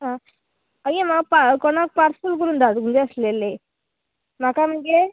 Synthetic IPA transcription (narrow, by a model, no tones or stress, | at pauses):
ɦã | əjẽmaɡpakɔɽ̃ak̚paɾsulkəɾuːnd̪ʱat̪ɡund͡zeəslele | makam̤əɳɡe